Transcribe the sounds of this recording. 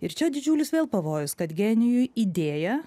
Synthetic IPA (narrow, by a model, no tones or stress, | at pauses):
ɪɾt͡ʃʲɛd̪ʲɪd͡ʒʲuːlʲʊsʋʲeːlˠpɐʋoːjʊskɐt̪ɡʲɛnʲɪjʊjiːd̪ʲeːjɛ